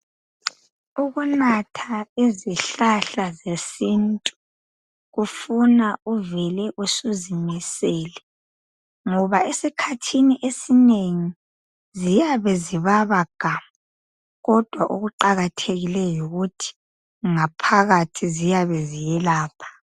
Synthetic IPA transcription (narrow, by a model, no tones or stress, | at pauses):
uɣunatʰaeziɬaɬazesintʼu | ɣufunauvɛlɛʔusuzimisɛːlɛ | ŋɔβaesikʰatʰiniʔesineŋi | zijaβɛziβaβaɡ̥ʱama | ɣɔd̥ʱwaʔoɣuǃaɣatʰeɣilɛjuɣutʰi̥ | ŋapʰaɣatʰizijaβɛzijɛlaːpʰḁ